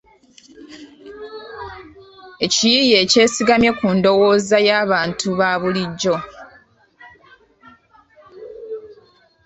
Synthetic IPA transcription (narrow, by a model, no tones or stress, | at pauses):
e̞cijije̞ːce̞ːsiɡamje̞kuːndo̞wo̞ːzajaːβaːntuβaβuliɟːo̞